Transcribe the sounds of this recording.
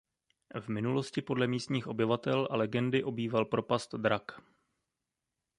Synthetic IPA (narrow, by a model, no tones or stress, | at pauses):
vmɪnulo̞scɪpo̞dlɛmiːst̪ɲiːxʔo̞bɪvat̪ɛlʔalɛɡɛndɪʔo̞biːvalpɾo̞past̪d̪ɾak